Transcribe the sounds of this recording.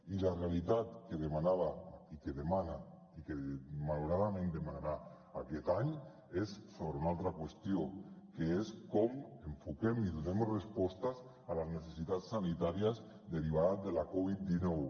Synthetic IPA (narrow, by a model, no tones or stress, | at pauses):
ilarealit̪at̪keðemanaβaikeðemana | ikemaluɾaðamẽnd̪emanaɾa | aket̪aɲ | essoβɾeunalt̪ɾakwest̪jokeeskɔmeɱfukemiðunemozrespɔst̪az | alaznesesit̪at͡ssːanit̪aɾiaz | d̪eɾiβ̞aɾad̪elakɔβit̪̚d̪inɔw